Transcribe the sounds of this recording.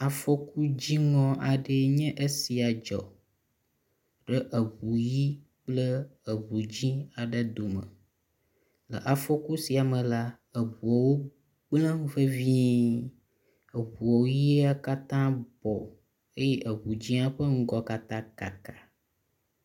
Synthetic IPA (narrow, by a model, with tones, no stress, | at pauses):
a˨fo˦ku˦d͡ʑi˦ŋɔ̃˦ʔa˨ɖe˦ɲɛ̃˦ʔe˦si˨a˨d͡ʒɔ̰˨ | ɖə˦ʔə˨βu˨ji˦ | k͡plə˦ə˨βu˨d͡ʑĩ˦a˨ɖə˦d̪o˨mə̰˨ | lə̰˨ʔa˨fo˦ku˦si˨a˨mə̃˨la˦ | ə˨βu˨ɔ˨wo˦ | ɡ͡blə̃˦ŋ˦və˦vi˦ | ə˨βu˨ɔ˨wo˦ji˦a˦ka˦t̪ã˦bɔ˨ | e˦jɛ˦ʔə˨βu˨d͡ʑĩ˦a˦ɸə˦ŋ̩˦ɡɔ˦ka˨t̪ã˦ka˨ka˨